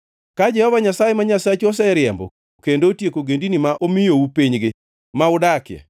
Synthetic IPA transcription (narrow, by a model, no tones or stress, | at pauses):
kad͡ʒɛhɔvaɲasajemaɲasat͡ʃɔs̬ɛɾɪjɛmbɔ̰ | kendotjekoɡendinimaʔomɪjoupiɲɡɪ | maʊdakjɛ̰